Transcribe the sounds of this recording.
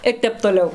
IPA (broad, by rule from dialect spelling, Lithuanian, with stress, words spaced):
ɪr ˈtʲɛp toːˈlʲɛʊ